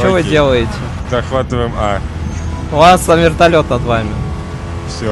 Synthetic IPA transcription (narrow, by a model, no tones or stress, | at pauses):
t͡ɕovɨdʲe̞lˠəjɪtʲɪzɐxvat̪ɨvəjɪma | ʊvaszɐmʲɪrt̪ɐlʲo̞t̪nɐd̪vamʲɪ | fsʲo